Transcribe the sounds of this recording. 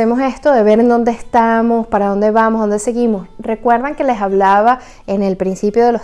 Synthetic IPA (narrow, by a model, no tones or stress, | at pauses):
emo̞se̞st̪o̞ðe̞βe̞ɾend̪o̞nd̪eːst̪amo̞spaɾaðo̞nd̪e̞βamoɦðo̞nd̪e̞se̞ɣimo̞sre̞kwe̞ɾðaŋke̞le̞saβlaβa | ene̞lpɾinsipjo̞ðe̞lo̞